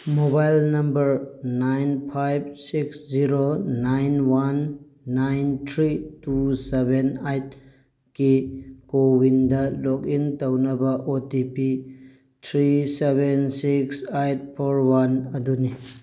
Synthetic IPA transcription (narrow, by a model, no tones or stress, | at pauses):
mobajlnɐmbɐɾnajnpʰajb̚siksziɾonajnwanː | ajntʰɾitusebenajt̚ | kikowindɐlɔk̚intɐwnɐbɐʔotipi | tʰɾisebensiksajt̚pʰoɾwanɐduni